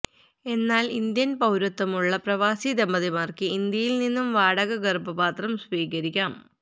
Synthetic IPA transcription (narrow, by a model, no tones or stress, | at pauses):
e̞nːaːlind̪jɐnpɐwɾɐt̪ːɐmuɭːɐprɐʋaːsid̪emːɐðimaːrkɨind̪jɐjilninːumʋaːɽɐɣɐɡɐrbɐbaːt̪rɐmsʋiːkɐɾikʲːaːm